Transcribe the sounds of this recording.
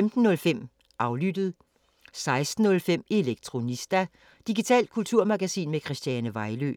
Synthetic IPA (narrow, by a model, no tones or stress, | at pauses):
emd̥n̩ːɔ̽lfem̰ | ʔɑ̈ʊlyd̥əð̞̩ˠ | sɑ̈ɪsd̥n̩ːɔ̽lfem̰e̝leɡ̥̚t͡sʰʁo̝nisd̥æ | d̥iɡ̥it͡sʰɛ̰ːl̥̚kʰult͡sʰuɐ̰mɑ̈ɡ̥æsḭːnmekʰʁɛsd̥jænəʋɑ̈ɪlø̰ː